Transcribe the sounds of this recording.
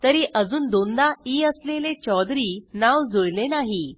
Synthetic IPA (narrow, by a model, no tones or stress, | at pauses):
t̪əɾiʔəd͡zuːnd̪ond̪aiːəslelet͡ɕɔd̪ɾiːnawd͡zoɭlenaɦi